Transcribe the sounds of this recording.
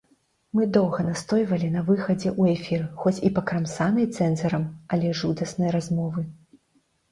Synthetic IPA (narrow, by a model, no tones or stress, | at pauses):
mɨd̪ɔwɣɐnast̪ɔjvɐlʲinɐvɨxɐd͡zʲɛʔuɛfʲirxɔt͡sʲipɐkɾamsanɐjt̪sɛnzɐɾɐmɐlʲɛʐud̪ɐsnɐjɾazmɔvɨ